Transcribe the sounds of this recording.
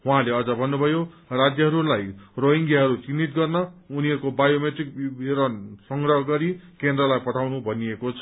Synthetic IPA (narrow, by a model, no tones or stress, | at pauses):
ũɦãleʌd͡zʌbʱʌnːubʱʌjorad͡zjʌɦʌɾulajroɦiŋɡjaɦʌɾut͡sinːit̪̚ɡʌrnʌuniʌɾkobajomeʈrik̚eɾʌnsʌŋɡrʌɦʌɡʌɾikend̪rʌlajpʌʈʰawnubʱʌniekot͡sʰʌ